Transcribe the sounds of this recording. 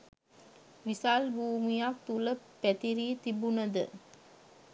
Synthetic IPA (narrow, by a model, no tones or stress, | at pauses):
ʋisalbuːmijak̚t̪ulə | pæt̪iɾiːt̪ibunəd̪ə̰